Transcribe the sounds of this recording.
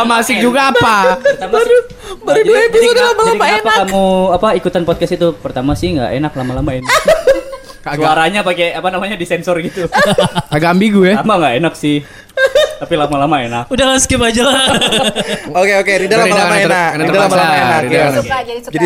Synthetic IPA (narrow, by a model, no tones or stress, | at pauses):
amasɪhd͡ʒuɡaːpaərt̪ama | baɾid͡ʒuibisiudalamalaiaeanpaakamuapaikut̪anpot̪̚kasit̪upərt̪amasɪhŋɡa̰ʔḛnaklamalamaena | aɾaɲapakeapanamaɲadisɛnsɔrɡit̪ukaɡambiɡuɛlamaŋɡaʔenaksɪh | t̪apilamalamaenak̚udaaskipad͡ʒala | okeokeɾidalaaldamaenakniədalamalamaenaɾijdad͡ʒaid͡ʒai